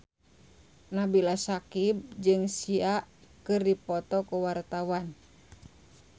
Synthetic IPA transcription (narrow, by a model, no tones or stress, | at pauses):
nabilasakib̚d͡ʒɨŋsiaʔkɨrdipɔt̪ɔkuwart̪awan